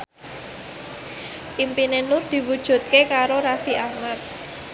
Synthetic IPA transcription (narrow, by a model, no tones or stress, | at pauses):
ʔimpinenʊrd̪̥i̤wud̥ʒ̥ṳt̪̚kekaɾoɾafiʔahmat̪̚